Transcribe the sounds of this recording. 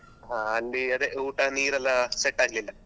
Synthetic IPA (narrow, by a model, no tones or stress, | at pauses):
ɦãːɐlːiɐd̪eʔuːʈaniːɾɐlːaseʈːaːɡlilːɐ